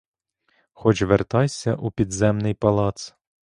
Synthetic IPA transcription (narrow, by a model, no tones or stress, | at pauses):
xɔt͡ʃʋert̪ɑjsʲɐʔupʲid̪zɛmnɪjpɐlˠɑt̪s